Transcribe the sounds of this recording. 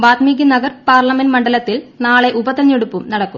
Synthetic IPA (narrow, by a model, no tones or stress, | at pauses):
baːt̪miːɡinɐɡɐrpaːrlɐmenmɐɳɖɐlɐt̪ːilnaːɭe̞ʔubɐt̪ːɐɲːoɽupːumnɐɽɐkːum